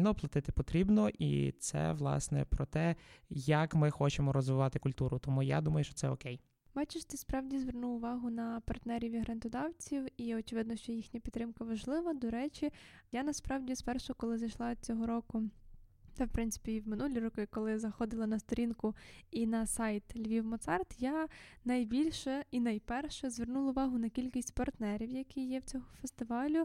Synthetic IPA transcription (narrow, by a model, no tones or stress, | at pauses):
nɔplˠɐt̪ɪt̪ɪpɔt̪ɾʲibnɔʔḭt̪sɛ̰ʋlˠɑ̰snɛ̰pɾɔt̪ɛjɐkmɪxɔt͡ʃemɔɾɔzʋɪʋɑt̪ɪkʊlʲt̪uɾʊt̪ɔmuja̰d̪umɐjʊʃt͡ʃɔ̥tsɛɔkɛj | bɑt͡ʃɪʃt̪ɪspɾɑwdʲizʋernuwʊʋɑɦʊnɐpɐrt̪nɛɾʲiʋʲiɦɾɐnt̪ɔd̪ɑwt͡sʲiwiɔt͡ʃɪʋɪd̪nɔʃt͡ʃɔjixnʲɐpʲit̪ːɾɪmkɐʋɐʒlˠɪʋɐd̪ɔɾɛt͡ʃʲijanɐspɾɑwdʲispɛrʃɔkɔlˠɪzɐjʃlˠɑt͡sʲɔɦɔɾɔkʊ | t̪ɛwpɾɪnt̪ɪ̥pʲiwmɪnulʲiɾɔkɪkɔlˠɪzɐxɔd̪ɪlˠɐnɐst̪ɔɾʲinkʊinɐsɑjt̪lʲʋʲiwmɔt̪sɑrt̪janɐjbʲilʲʃɛinɐjpɛrʃɛzʋernulˠɐʊʋɑɦʊnɐkʲilʲkʲisʲtʲpɐrt̪nɛɾʲiwjɐkijjɛwt͡sʲɔɦɔfest̪ɪʋɑlʲʊ